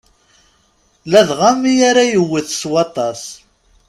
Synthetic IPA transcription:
læðʁamijaɾajəwːiθswɑt̪ˤɑs

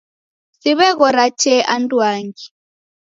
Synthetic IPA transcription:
siβɛɣɔɾat͡ʃɛʔanduaŋɡi

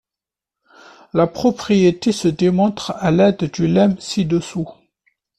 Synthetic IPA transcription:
lapχɔpχijet̪esəd̪emɔ̃t̪χalɛd̪ːylɛmsid̪əsu

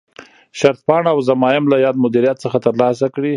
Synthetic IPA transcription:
ʃaɾt̪̚pɑɳaawzamɑjɪmlajɑd̪mʊd̪iɾijat̪səxat̪əɾlɑs̬akɽi

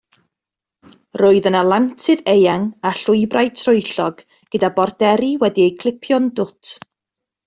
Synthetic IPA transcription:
roːɨðənalˠamtʰɨðejaŋaɬʊɨbraj̚tʰrʊɨɬɔɡ̥ | ɡ̥ədabɔrdɛɾiwɛdiejkʰlˠɪpʰjɔndʊtʰ

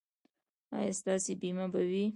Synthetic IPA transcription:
ɑ̰jɑst̪ɑsebimabawi

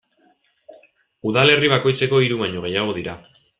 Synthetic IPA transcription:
uðale̞riβ̞ako̞jt͡se̞ko̞iɾuβaɲoɣ̞e̞jaɣ̞o̞ðiɾa

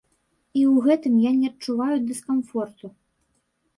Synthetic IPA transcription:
iwɣɛt̪ɨmjanʲɛɐtt͡ʂuvajud̪ɨskanfɔrt̪u

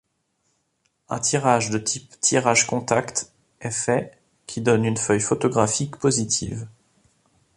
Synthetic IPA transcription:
ɛ̃t̪ʰiʁaʒd̪ət̪ʰipt̪ʰiʁaʒkɔ̃t̪akt̪ | ɛfɛ | kʲʰid̪ɔnynfœjfot̪ɔɡʁafikpozit̪ʰḭv

